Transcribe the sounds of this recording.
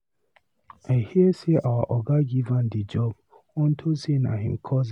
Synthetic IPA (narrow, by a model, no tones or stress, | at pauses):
ahieseʔawaʔɔɡaɡivãndid͡ʒɔb̚ | ɔ̃n̩tʰosenã̰ɦḭ̃mkʰɔz